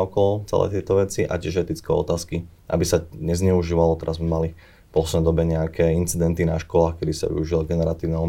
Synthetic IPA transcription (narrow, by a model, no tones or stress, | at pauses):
ɔkɔlɔt͡sɛ̰lɛ̰ːt̪ɪɛt̪ɔʋɛt͡siʔa̰cɪɛʒɛt̪it͡skɛɔ̰t̪aːski | ʔa̰bisaɲɛzɲɛuʒiːʋalɔt̪ɛɾʔazmɛmali | pɔsnɛd̪ɔbɛɲɛakʰɛːint͡sid̪ɛnt̪inaʃkɔlaːxkɛd̪isa̰ʋḭuʒilɔɡɛnɛɾat̪iːʊnɛɔm